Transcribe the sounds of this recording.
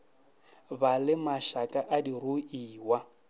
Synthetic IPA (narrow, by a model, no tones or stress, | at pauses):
balɪmaʃakʼaʔadiruiːwa